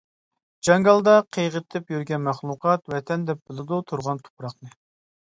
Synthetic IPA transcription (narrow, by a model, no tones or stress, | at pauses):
d͡ʒɑŋɡɑlˠd̪ɑqʰejʁət̪ʰːɪpjyɾɡʲɛnmæχlˠuqʰɑt̪wɛt̪ʰɛnd̪ɛp̚bɪlˠɪd̪ut̪ʰuɾʁɑnt̪ʰu̥pʰɾɑqnɨ